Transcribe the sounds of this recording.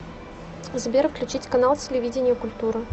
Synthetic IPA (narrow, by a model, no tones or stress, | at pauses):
zbʲeɾfklʲʉt͡ɕit͡sʲkɐnalˠtʲɪlʲɪvʲid͡zʲɪnʲɪjəkʊlʲt̪uɾɨ